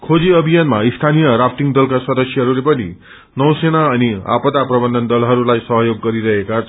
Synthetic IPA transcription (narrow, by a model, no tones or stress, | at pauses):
kʰod͡ziʌbʱijanmaist̪ʰanijʌɾapʰʈiŋd̪ʌlkasʌd̪ʌsjʌɦʌɾulepʌnḭ | nʌw̃senaʌnia̰pʌd̪aprʌbʌnd̪ʱʌnd̪ʌlɦʌɾulajsʌɦʌjoɡːʌɾiɾʌɦekat͡sʰ